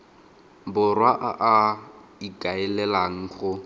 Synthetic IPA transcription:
bʊrwaʔaʔaikʼaɛlɛlaŋ̩χʊ

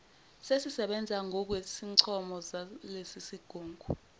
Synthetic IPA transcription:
sesisɛɓɛnd͡zʱaŋʱɔk̬wesiǀʰɔmɔzalesisiɡ̥ʱoːŋɡʱu

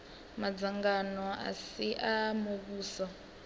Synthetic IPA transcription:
mad͡zaŋɡanɔa̰siʔamokuːsɔ

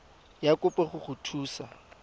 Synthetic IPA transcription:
jakʼʊpʼɛχʊχʊtʰuːsa

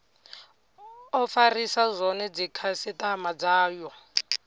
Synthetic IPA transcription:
ɔfarisazʷɔnɛd͡zikʰasɪtamad͡zaːjɔ

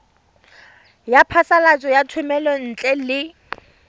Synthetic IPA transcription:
japʰasalat͡sʼɔjatʰʊmɛlɔn̩t͡ɬʼɛlɪ

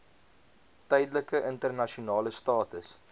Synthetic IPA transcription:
tɛjdələkəʔəntərnɐʃunɑːləstɑːtəs

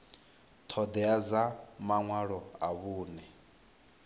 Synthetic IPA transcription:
t̪ʰɔd̪ɛad͡zamaŋwaɺɔaβuːnɛ

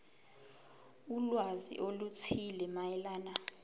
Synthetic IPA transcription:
ulwazḭʔolut͡sʰilɛmajɛlaːna

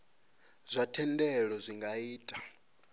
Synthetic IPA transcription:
z̥ʷatʰɛndɛɺɔzʷiŋɡaiːtʼḁ

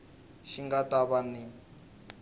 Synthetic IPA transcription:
ʃiŋɡataβani

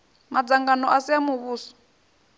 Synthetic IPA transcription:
mad͡zaŋɡanɔʔasijamuβuːsɔ̥

